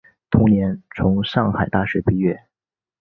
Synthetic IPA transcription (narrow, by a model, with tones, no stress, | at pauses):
t̪ʰʊ˧˥ŋnjɛ˧˥nt͡sʰʊ˧˥ŋʂɑ˥˩ŋxa˨˩ɪt̪a˥˧˩ʂɻ̩˥˩pi˥˧ɥɛ˥˩